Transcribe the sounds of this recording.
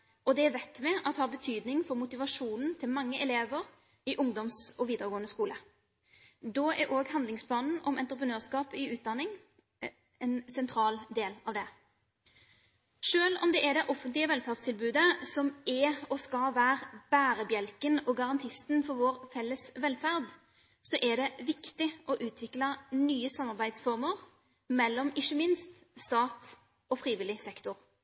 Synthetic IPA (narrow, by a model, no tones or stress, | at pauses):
ʔɔd̪ɛʋɛt̪ːmɛʔɑt̪hɑːbət̪ʰyːd̪nɪŋfɔɾmʊt̪ɪʋɑʂuːnn̩t̪ʰɪlmɑŋːəʔɛleːʋəʁ | ɪʔʊŋd̪ɔmsɔʋiːd̪əɾəɡoːənəskuːlə | d̪oːʔæ̰ɾʔoːɡhɑnd̪lɪŋspʰlɑːnn̩ɔmɛnt̪ɾəpʰʁənøːʁskɑːpɪʉːt̪̚d̪ɑnːɪŋ | ɛnsɛnt̪ʰɾɑːld̪eːlɑʋd̪ɛ | ʂøːlɔ̰md̪ɛʔɛd̪ɛʔɔfənt̪lɪəʋɛlfæʁd̪st̪ʰɪlbʉːd̪əsɔmɛɔskɑʋæːʁb̥æːɾəbjɛlkənɔɡɑʁɑnt̪ʰɪst̪nfɔɾʋoːʁfɛlːəsʋɛlfæʁd̪ | sɔʔɛd̪ɛʋɪkt̪ɪʔɔʔʉːt̪ʰʋɪklənyːəsɑmːɑʁbæɪd̪sfɔʁməʁ | mɛlːɔmɪʃːəmɪnst̪ | st̪ɑːt̪ | ɔfɾiːʋɪlːɪsɛkt̪ʊʁ